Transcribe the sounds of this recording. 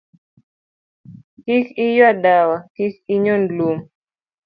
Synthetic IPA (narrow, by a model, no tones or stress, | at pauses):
kikijwaɗawakikiɲɔnlum